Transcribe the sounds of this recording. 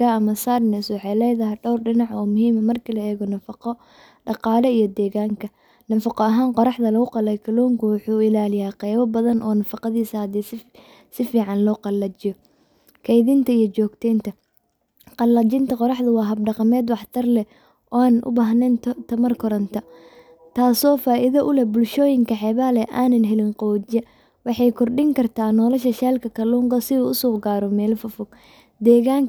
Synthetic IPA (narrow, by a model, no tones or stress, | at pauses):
aɐmɐsaːrnɛswɑħɑjlɛjðɐɦɛɖɔwrɖɪnɑʕɔːmʊɦiːmɐmɐrkʰilɐɛːɣɔnɐfɑqɔ | ɖɑqɑːlɛijɞd̪ɛːɣaːŋkʰɐ | nɐfɑqɔɐɦaːnqɔɾɑħðɐlɐɣʊqɑlɛjkʰɐlɔːŋkʰʊwʊħuːɪlaːlɪjaːqɛjβɐbɐðɐnʔɔːnɐfɑqɑðiːsɐd̪is | sɪfiːʕɑnlɔːqɑlːɐt͡ʃɪjɔ | kʰɛjðɪnt̪ʰɐijɞt͡ʃɔːɡt̪ʰɛjnt̪ʰɐ | qɑlːɐt͡ʃɪnt̪ʰɐqɔɾɑħd̪ɐwɑːɦɐb̚ɖɑqɑmɛːd̪wɑħt̪ʰɐrlɛ | ʔɔːaːnnʔʊ̰baːɦnɛntt̪ʰɐmɐrkʰɔɾɐnt̪ʰɐ | t̪ʰaːsɔːfaːʔɪðɐʔʊlɛbʊlʃɔːjɪŋkʰɐħɛːβaːlɛʔaːnɐnɦɛlɪnqɔːd͡ʒɛ | wɑħɑjkʰɔrɖɪŋkʰɐrt̪ʰaːnɔːlɐʃɐʃɛːlkʰɐkʰɐlɔːŋɡɐsɪuːʊsɔːɡaːɾɔmɛːlfʊfʊɡ̥ | d̪ɛːɣaːŋk